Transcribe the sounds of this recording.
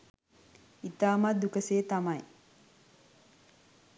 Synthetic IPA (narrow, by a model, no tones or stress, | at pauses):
it̪aːmad̪ukəseːt̪amaj